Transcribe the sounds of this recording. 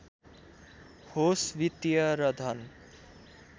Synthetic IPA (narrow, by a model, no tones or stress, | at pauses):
hosʋit̪jʌɾʌd̪ʱʌn